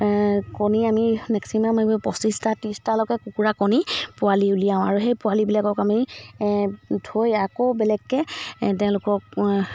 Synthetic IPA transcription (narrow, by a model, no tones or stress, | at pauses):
kɔniamimɛksimamaɔpɔsistatistalɔkɛkukuɹakɔnipʊaliulijaʊ̃aɹuɦejpʊwalibilakɔkami | dʰojakobɛlɛkːɛtɛʊ̃lʊkɔk